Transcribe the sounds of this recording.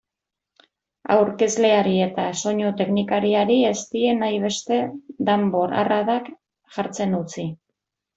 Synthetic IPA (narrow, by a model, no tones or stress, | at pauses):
a̰wɾke̞zle̞aɾie̞t̪aso̞ɲut̪e̞knikaɾiaɾie̞st̪ie̞najβ̞e̞st̪e̞d̪ambo̞ɾa̰raðak | ʝaɾt͡se̞nut͡si